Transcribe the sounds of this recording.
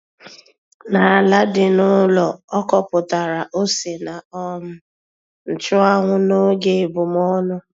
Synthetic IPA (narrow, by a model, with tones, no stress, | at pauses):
na˨a˨la˦dɪ˨nʊ˦lɔ˨ɔ˦kɔ˨pʊ˨ta˨ɾa˨ʔo˦se˨na˨ɔ˦mʊ˦ | n̩˨t͡ʃʊ˦a˦ŋʷʊ˦no˦ɡe˦˨bʊ˨mɔ˦nʊ˦